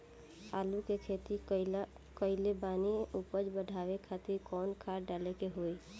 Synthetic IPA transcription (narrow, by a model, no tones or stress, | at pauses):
a̰ːlukekʰeːt̪i | kəɪlebaːniupəd͡ʒbəɖʱaːʋekʰaːt̪ɪɾkɔːnkʰaːɾɖaːlekeɦoːi